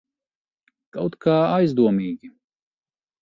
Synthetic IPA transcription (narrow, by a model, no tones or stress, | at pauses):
kawt̪kʰaːajzd̪uɔmiːɡʲi